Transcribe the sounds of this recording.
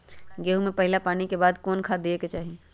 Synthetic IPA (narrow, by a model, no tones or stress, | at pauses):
ɡeːɦumẽpɐɦɪlapaːnikebaːd̪kɔːnkʰaːd̪ieket͡ʃaːɦie